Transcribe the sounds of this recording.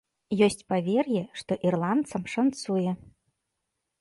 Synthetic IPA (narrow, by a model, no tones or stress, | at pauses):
jɔsʲt͡sʲpavʲɛrjɛʂt̪ɔʔirlˠant̪sɐmʂant̪sujɛ